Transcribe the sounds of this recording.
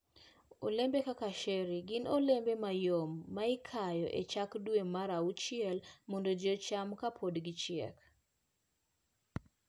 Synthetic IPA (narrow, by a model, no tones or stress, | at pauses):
o̰lembekakaʃeɾiɡɪnolembemajomːaɪkʰajɔʔet͡ʃakdwemaɾaut͡ʃɪɛlmondod͡ʒot͡ʃamkapʰodɡɪt͡ʃɪɛ̰k